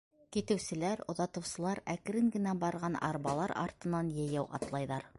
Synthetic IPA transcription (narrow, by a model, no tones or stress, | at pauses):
kit̪ɘ̆wsɘ̆læɾŏðɑt̪ɤ̆wsɤ̆lˠɑɾækɘ̆ɾɘŋɡɘ̆næbɑɾʁɑnɑ̰ɾbɑlˠɑɾɑ̰ɾt̪ɤ̆nɑnjɘ̆jæwʔɑ̰t̪lˠɑjðɑɾ